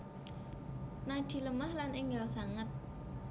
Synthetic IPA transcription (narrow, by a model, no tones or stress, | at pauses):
nad̪̥i̤ləmahlanɪŋɡalsaŋət̪̚